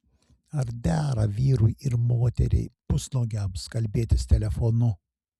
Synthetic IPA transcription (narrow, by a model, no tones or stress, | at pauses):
ɐɾd̪ʲæːɾɐʋʲiːɾʊjɪɾmoːt̪ʲɛ̰ɾʲɛ̰ɪpʊsnoɡʲɛmskɐlʲbʲeːt̪ʲɪst̪ʲɛlʲɛfɔnʊ